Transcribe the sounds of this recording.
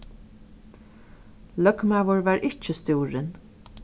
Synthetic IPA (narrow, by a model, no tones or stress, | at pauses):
lœkmaːʋʊɹʋaːɹʔɪt͡ʃəst̪uːɹɪn